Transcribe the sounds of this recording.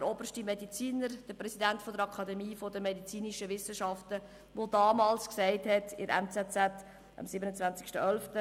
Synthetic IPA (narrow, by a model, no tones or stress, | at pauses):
əɾob̥ərʃtimedit͡siːnəɾd̥əɾprɛsidæntfɔdəɾɑkʰɑdɛmiːfɔdəmɛdit͡siːniʃəʋɪsəʃɑftə | ʋodɑːmɑːlsksɛɪthɛtɪ̰ɾɛ̰nt͡sɛt͡sɛt | ʔɑ̰msɪbənət͡sʋvænt͡sɪ̥kʃtəœlftə